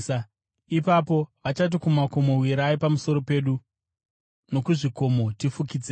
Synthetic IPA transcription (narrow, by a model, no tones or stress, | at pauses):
ipapo̞ʋat͡ʃat̬ikumako̞mo̞wiɾaipamuso̞ɾo̞pe̞ːɗu | no̞kuʐiko̞mo̞tifukid͡ze